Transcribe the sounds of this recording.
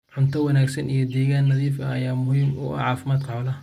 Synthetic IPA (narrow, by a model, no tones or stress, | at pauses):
ħʊnt̪ʰɐwɑnaːɡsɐnijɔd̪ɛːɣaːnːɐðiːfɐɐjaːmʊhiːmʊ̰ʔɐ̰ʕɑːfɪmaːd̪̚kʰɐʕɔlɐ